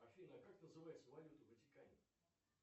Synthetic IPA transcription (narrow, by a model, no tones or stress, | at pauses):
ɐfʲinəkaknəzɨvajɪt̪səvalʲut̪ʊvətʲɪkanʲɪ